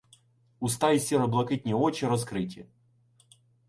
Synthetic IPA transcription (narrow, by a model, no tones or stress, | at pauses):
ʊst̪aisʲiɾɐblˠɐkɨt̪̚ʲnʲɪot͡ɕɪɾɐskɾɨtʲɪ